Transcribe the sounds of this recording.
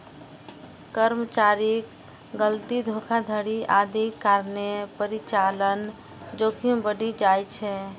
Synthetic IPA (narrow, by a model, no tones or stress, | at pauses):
kəɾmət͡ʃaɾik | ɡəlt̪id̪ʱokʰad̪ʱəɽiʔad̪ʱikːaɾnepəɾit͡ʃalən | d͡ʒokʰiũbəɖid͡ʒajt͡ʃʰɛ